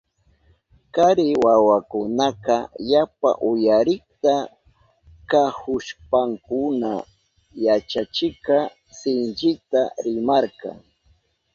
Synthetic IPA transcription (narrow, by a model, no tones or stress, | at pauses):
kaɾɪwawakʊnaqɑjapa̰ʔʊjaɾɪkt̪a | kahʊʃpaŋkʊna | jat͡ʃat͡ʃɪkɑ | sɪnt͡ʃɪt̪aɾɪmaɾkɑ̰ŋ